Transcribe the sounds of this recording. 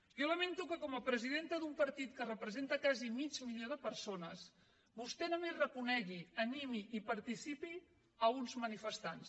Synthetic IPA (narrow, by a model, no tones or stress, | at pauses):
joləment̪ukəkɔməpɾəziðent̪əðumpəɾt̪it̪kərəpɾəzent̪əkazimid͡ʒmiʎoðəpəɾsonəs | bust̪ɛnomerəkunɛɣiənimiʔipɐɾt̪isipi | əunzmənifəst̪ans